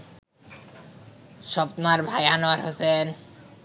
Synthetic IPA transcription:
ʃɔpt̪maɾbʱajanoaɾɦosen

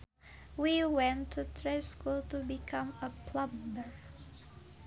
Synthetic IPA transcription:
wiwɛ̃ntʰutʰɹeskultubikʰʌ̃məpʰlʌ̃mdə˞

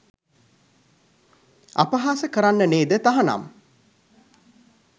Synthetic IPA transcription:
a̰pəɦaːsəkəɾanːəneːd̪ət̪aɦɐna̰m

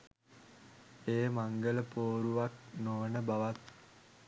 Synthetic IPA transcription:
eːmaŋɡələpoːɾuʋak̚noːnəbaʋat̪̚

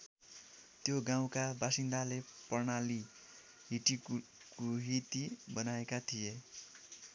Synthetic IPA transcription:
t̪joɡaw̃kabasind̪alepʌrnali | ɦiʈi | kuɦit̪ibʌnaekat̪ʰije

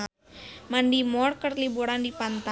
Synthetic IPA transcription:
mandimɔrkərliboɾandipant̪a

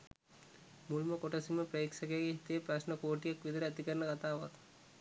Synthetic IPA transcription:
mulməkoʈɐsiməpɾəiksɐkejaɡeɦit̪ijepɾɐsnɐkoːʈijakʋid̪əɾəɛt̪ikəɾnəkat̪aːʋat̪

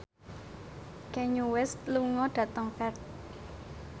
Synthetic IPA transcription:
kɛɲuwɛst̪luŋɔɖ̥ä̤t̪əŋfɛrt̪̚

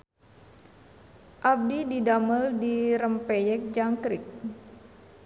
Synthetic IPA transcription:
ʔap̚dididaməldiɾəmpɛjɛk̚d͡ʒaŋkɾik̚

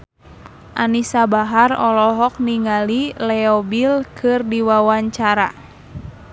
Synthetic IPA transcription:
ʔanisabaɦarɔlɔɦɔk̚niŋalilɛɔbilkʰɨrdiwawaɲt͡ʃaɾa

